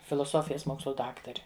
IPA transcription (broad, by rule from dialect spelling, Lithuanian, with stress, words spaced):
fʲɪlˠoːˈsoːfʲɪjɛs ˈmoːkslˠʊ ˈdɑːktɐrʲɪ